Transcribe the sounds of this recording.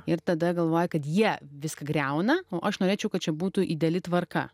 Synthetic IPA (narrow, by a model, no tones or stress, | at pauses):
ɪɾt̪ɐd̪ɐɡɐlˠʋoːjɛkɐt̪jiɛʋʲɪskɐɡɾʲɛʊnɐoːʔɐʃnoːɾʲeːt͡ʃʲɛʊkɐt̪̚t͡ʃʲɛbuːt̪uʔiːd̪ʲɛlʲɪt̪ʋɐrkɐ̰